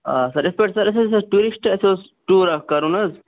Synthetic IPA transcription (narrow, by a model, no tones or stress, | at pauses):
asɐɾespeʈsɐɾɐs̬esɐʈuɾisʈɐseos | ʈuːɾɐkɐɾunɐz